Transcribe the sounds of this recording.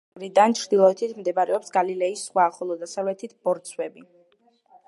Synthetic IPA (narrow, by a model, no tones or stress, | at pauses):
ɾid̪ant͡ʃʰɾd̪ilˠɔɛt̪ʰit̪ʰmd̪ɛbaɾɛɔpsɡalilɛisːχwaχɔlˠɔd̪asavlɛt̪ʰit̪ʰb̥ɔɾt̪sʰwɛbi